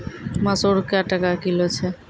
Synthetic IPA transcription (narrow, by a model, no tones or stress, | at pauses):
masoɾkeaʈakakilot͡ɕʰe